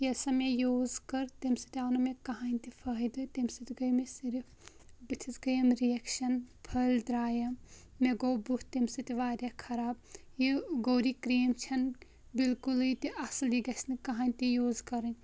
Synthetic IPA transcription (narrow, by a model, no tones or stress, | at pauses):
jɐsɐmejoːzkɐɾt̪imsɨ̥t̪iaːnɐmekɐɦaːnʲt̪ifʰɐɦid̪ɨt̪imsɨt̪iɡɐjmesiɾif | bɨt̪ʰisɡɐjɐmɾijekʃɐnpʰɐld̪ɾaːjɐmː | eɡoːbuht̪imsɨt̪iʋaːɾʲakʰɐɾaːb̚jiɡoːɾikɾeːmt͡ʃʰɐn | bilkulɨt̪iʔɐsɨljiɡɐsnɨkɐɦaːnʲt̪ijoːzkɐɾɨnʲ